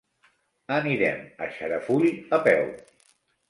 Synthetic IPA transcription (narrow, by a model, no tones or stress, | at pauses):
əniɾɛmə̰ʃəɾəfuliəpɛw